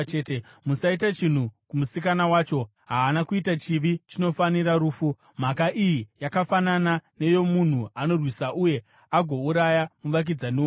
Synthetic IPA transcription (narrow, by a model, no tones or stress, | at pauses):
temusaitat͡ʃin̤ukumusikanawaːt͡ʃo̞ | ɦaːnakuitat͡ʃiʋit͡ʃino̞faniɾaɾuːfu | m̤akaʔijijakafananane̞jo̞mun̤uano̞rwisaʔuje̞ | aɡʱo̞uɾajamuʋak̬id͡zane